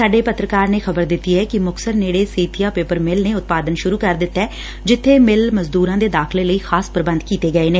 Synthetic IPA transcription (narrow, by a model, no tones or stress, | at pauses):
saːɖeːpət̪ɾəkaːɾneːxʰəbəɾd̪ɪt̪ːiːɦɛːkɪmʊksəɾneːɽeːseːt̪ʰɪjaːpeːpəɾmɪlneːʊt̪̚paːd̪ənʃʊɾuːkəɾd̪ɪt̪ːɛː | d͡ʒɪt̪ʰːeːmɪlməzd̪uːɾãːd̪eːd̪aːkʰleːləiːxʰaːspəɾəbə̃nd̪kiːt̪eːɡəeːneː